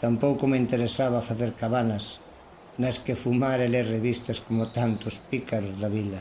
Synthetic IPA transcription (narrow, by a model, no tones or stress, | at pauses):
t̪ampowkʊmeint̪eɾesaβɐfaθeɾkaβanɐs | nɐskɪfumaɾelereβist̪ɐskomʊt̪ant̪ʊspikaɾʊzðɐβilɐ